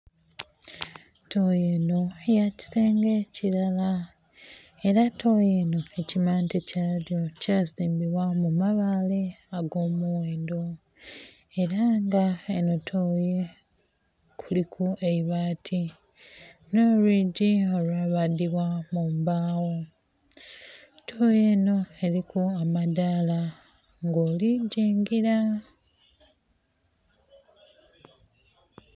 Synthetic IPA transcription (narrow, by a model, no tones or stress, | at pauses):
tʰojeːno̞jaci̥seːŋɡe̞cilala | e̞ɾatʰoːjeːno̞e̞cimaːntecaljo̞caːsiːmbiβwamumaβaːle̞aɡo̞ːmuweːndo̞ | e̞ɾaŋɡaenotʰoje | kʰulikʰueiβaːtʰi | no̞ːlwiːɟio̞lwaβadiβwamumbaːwo̞ | tʰoje̞ːno̞elikuamadaːla | ŋɡoːliɟiːŋɡiɾa